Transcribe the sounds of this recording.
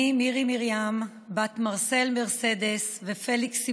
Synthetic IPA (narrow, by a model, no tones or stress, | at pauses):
imiʁimiʁjam | bat̪maʁselme̞ʁse̞d̪esvefe̞liks